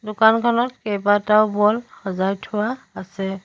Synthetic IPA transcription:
dʊkankʰɔnɔt̚kejbataʊbɔlxɔzajtʰʊwaː | sɛ

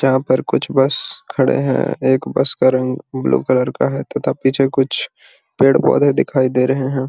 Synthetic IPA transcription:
d͡ʒɐɦãpɐɾkʊt͡ʃʰbɐskʰɐɽḛɦɛ̰̃eːkbɐ̰skaɾɐ̃ŋɡblṵːkɐləɾkaɦɛt̪ɐt̪apiːt͡ʃʰekʊt͡ʃʰ | peːɽpɔ̰ːd̪ẽd̪ɪkʰaːid̪eːɾɐɦeɦɛ̃ː

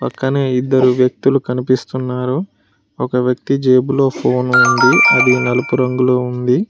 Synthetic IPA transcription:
pɐkːɐneːid̪ːɐɾuʋjɐk̚t̪ulukɐnipist̪unːaːɾu | ɔkɐʋjɐk̚t̪id͡ʒeːbulo̞ːpʰo̞ːnund̪iɐ̰d̪inɐlupuɾɐŋɡuloːund̪i

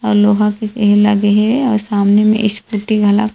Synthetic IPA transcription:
ɔːɾloːɦãkekɦelɐ̰ɡeɦɛɔ̰ːɾsaːmnemḛ̃ʔɪspʊʈːiɡʱɐla̰k

